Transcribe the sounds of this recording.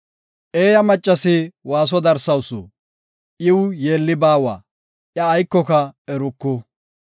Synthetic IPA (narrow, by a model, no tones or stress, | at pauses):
ʔeːjɐmɐt͡ʃʼːɐsɪwaːs̬ɔd̪ɐɾsɐwsɔ̰ | ʔɪwje̞ːlːɪbaːwa̰ | ʔjɐːjkːɔkɐɛɾɔkːɔ